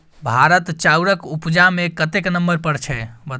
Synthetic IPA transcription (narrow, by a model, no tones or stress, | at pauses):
bʱaɾət̪t͡ʃauɾəkupd͡ʒamekət̪eknəmbəɾpəɽt͡ʃʰɛbə